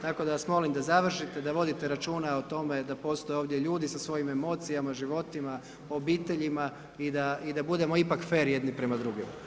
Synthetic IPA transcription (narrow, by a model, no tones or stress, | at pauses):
t̪ako̞d̪aʋasmo̞limd̪azaʋr̩ʃit̪e̞d̪aʋo̞d̪it̪eɾat͡ʃuːnaot̪o̞me̞d̪apo̞ːst̪o̞jeo̞ːʋd̪jeʎuːd̪isasʋo̞jime̞mo̞ːt̪sijamaʒiʋo̞t̪ima | obiːt̪e̞ʎima | id̪aid̪abud̪e̞mo̞ipakfe̞ːɾje̞d̪nipɾe̞mad̪ɾuɡim